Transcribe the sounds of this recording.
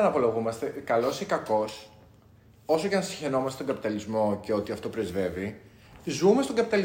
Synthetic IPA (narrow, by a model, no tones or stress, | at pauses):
ɐnɐpo̞lɐɣumɐst̪e̞kɐlo̞sikɐko̞s | o̞soʝɐnɐsi̥çe̞no̞mɐst̪et̪oɡɐpit̪ɐlizmo̞ce̞o̞t̪iɐft̪o̞pɾezve̞vi | zumest̪o̞ɡɐpit̪ɐli